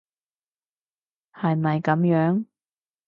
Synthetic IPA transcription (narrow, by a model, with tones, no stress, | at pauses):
hɐ˨jmɐ˨jkɐ˨˥mjœː˨˥ŋ